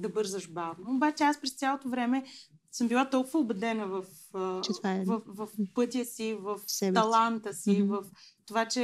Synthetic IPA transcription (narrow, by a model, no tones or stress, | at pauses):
d̪ɐbɤɾzəʃbavnoːbat͡ʃɛaspɾɛst̪sʲjalˠot̪ovɾɛmɛsəmbilˠat̪ɔlˠkʊvəʊbɛd̪ɛnəvɐf | t͡ʃɛt̪vavɐfvɐfpɤt̪ʲiəsivɐfsɛb̪ɐlˠant̪əsivɐft̪ovat͡ʃɛ